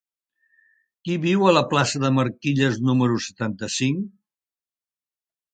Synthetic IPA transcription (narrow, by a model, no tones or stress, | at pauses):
kiβiwələplasəðəməɾkiʎəznuməɾusə̥t̪ant̪əsiŋ